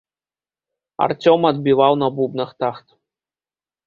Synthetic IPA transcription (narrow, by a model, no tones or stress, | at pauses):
a̰rt͡sʲomad̪̚bʲiʋɑwnɐbubnɤ̆χt̪ɑχt̪